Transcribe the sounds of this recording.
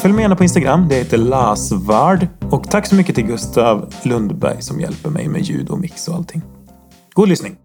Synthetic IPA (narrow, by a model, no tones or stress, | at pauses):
fœljmɛjɛːnapʰɔɪnst̪aɡɾamːd̪ɛheːt̪əɭɑːsvæːɖɔkt̪ʰakːsɔmʏkːət̪ʰɪlɡɵst̪ʰavlɵnd̪bæ̰ɾjsɔmjɛ̰lpəɾmɛ̰jmḛjʉ̟ːd̪ɔ̰mɪksɔalt̪ʰːɪŋː | ɡ̥uːd̪lʏsnɪŋ